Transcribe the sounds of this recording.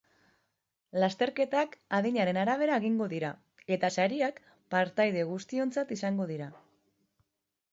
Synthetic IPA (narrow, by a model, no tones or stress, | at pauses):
last̪e̞ɾke̞t̪akaðiɲaɾe̞naɾaβ̞e̞ɾae̞ɣiŋɡo̞ðiɾa | e̞t̪asaɾiak | paɾt̪ajð̞e̞ɣ̞ust̪io̞nt͡sat̪isaŋɡo̞ð̞iɾa